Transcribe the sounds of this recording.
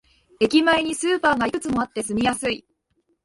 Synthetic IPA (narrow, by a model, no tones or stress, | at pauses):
e̞kʲimaeɲ̟isɨːpaːɡaikɯ̟t͡sɨmo̞at̪ːe̞sɨmʲijasɨi